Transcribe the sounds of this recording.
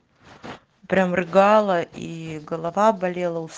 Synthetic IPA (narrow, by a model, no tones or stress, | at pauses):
pɾʲamrɨɡɑlˠəʔiɡəlˠɐvabɐlʲelˠəʊs